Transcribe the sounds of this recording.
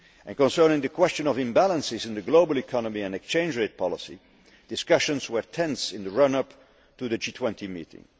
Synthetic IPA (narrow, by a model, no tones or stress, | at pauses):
ʔɛ̃nkɔ̃nsɜ˞nɪ̃ŋðəkʰwɛstt͡ʃə̃nɔvɪ̃mbælˠə̃nsɪzɪ̃nd̪ɨɡloʊbəlˠikʰɑnɔmiɛ̃nɛkst͡ʃẽɪ̃nd͡ʒɹeɪt̚pʰɑlɪsḭ | d̥ɨskʌʃə̃nzwə˞tʰɛ̃nsɪ̃nðəɹʌ̃nʌp | tuðɨd͡ʒiːtʰwɛ̃ntimḭːtɪ̰̃ŋ